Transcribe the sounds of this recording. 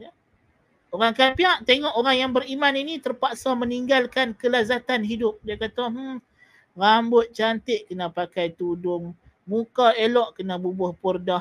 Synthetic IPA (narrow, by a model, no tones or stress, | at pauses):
ja | oɾaŋkapiaʔt̪eŋɔʔoɾaŋjaŋbəɾimaninit̪ərpaʔsaməniŋɡalkankəlazat̪anɦidʊp̚diakat̪am̩ | rambʊt̪̚t͡ʃant̪ɪʔkənapakajt̪udʊmː | ukaelɔʔkənabubʊhpɔrdah